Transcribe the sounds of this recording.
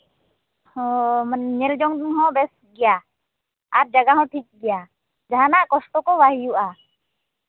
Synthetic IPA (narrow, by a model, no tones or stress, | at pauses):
hɔ̃mənɲɛld͡ʒɔŋd̪uŋɦɔ̃bɛs | ɡɛja | aɾ̚d͡ʒaɡaɦɔ̃ʈʰik̚ɡɛja | d͡ʒaɦanaʔkɔsʈɔkɔʋaɦijuʔa